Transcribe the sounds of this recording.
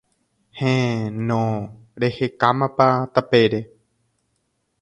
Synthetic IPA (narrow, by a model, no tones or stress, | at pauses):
hẽnõ | ɾe̞hekamãpat̪ape̞ɾe